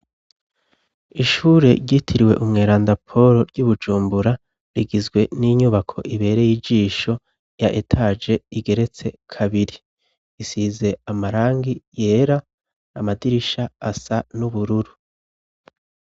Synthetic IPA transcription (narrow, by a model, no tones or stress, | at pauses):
iʃuːɾe̞ɾɟitʰiɾiwe̞ʔumŋe̞ːɾaːndapʰo̞ɾo̞ɾɟuβud͡ʒuːmbuɾa | ɾiɡizɡwe̞niɲuβakʰo̞̰ʔiβe̞ːɾe̞jid͡ʒiːʃo̞ | jaʔetʰaːd͡ʒe̞iɡe̞ɾe̞t͡se̞kʰaβiɾi | isize̞amaɾaːŋɡije̞ːɾaː | madiɾiʃaːsanuβuɾuɾu